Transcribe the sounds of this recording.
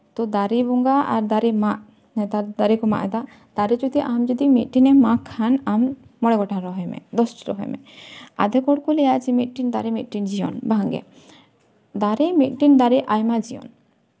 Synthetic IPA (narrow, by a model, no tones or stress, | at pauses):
t̪ɔd̪aɾibɔŋɡaa̰ɾd̪aɾimaʔ | t̪aɾd̪aɾikɔma̰ʔɛd̪a | d̪̥aɾid͡ʒɔd̪iʔamd͡ʒɔd̪imit̪̚ˀʈinɛmakʰːanamː | ɔɽeɡɔʈʰaɾɔɦɔjmɛ̰d̪ɔsʈɾɔ̰ɦɔ̰jmɛ̰a̰d̪ɛkɔɽkulɛjat͡ʃimit̪̚ʈind̪aɾimit̪̚ʈind͡ʒiɔ̰nbʱaŋɡɛ̰ | d̪aɾimit̪̚ʈind̪aɾiʔajmad͡ʒiɔ̰n